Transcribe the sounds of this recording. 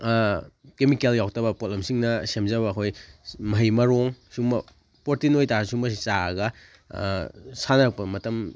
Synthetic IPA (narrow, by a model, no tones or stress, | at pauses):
kemikeljawtɐbɐpot̚lɐmsiŋnɐsemzɐβɐːkʰojmɐjmɐɾoŋsuŋmɐ | poɾtinojtaɾsumɐsit͡ʃaɐ̰ɡɐ | sanɐɾɐk̚pɐmɐtɐm